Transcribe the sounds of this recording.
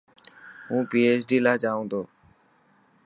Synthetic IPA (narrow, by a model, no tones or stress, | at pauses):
ɦũːpiːeːsɖiːlaːd͡ʒaːʋõːnd̪oː